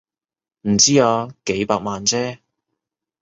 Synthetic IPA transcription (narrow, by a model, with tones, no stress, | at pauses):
m̩˨˩t͡siː˥aː˧ke˨˥jpaː˧k̚maː˨nt͡sɛː˥